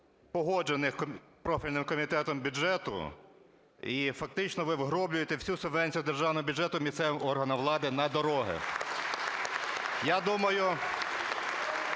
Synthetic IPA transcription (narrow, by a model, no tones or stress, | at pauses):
pɔɦɔd͡ʒenɪx | pɾɔfʲilʲnɪmkɔmʲit̪ɛt̪ɔmbʲʊd͡ʒɛt̪ʊ̰ | ifɐk̚t̪ɪt͡ʃnɔʋɪʋɦɾɔblʲʊjet̪ɛwsʲusʊʋɛnʲsʲijʊd̪erʒɑwnɔɦɔbʲʊd͡ʒɛt̪ʊmʲisɛʋmɔrɦɐnɐʋlˠɑd̪ɪnɐd̪ɔɾɔɦɪ̰ | jad̪umɐjʊ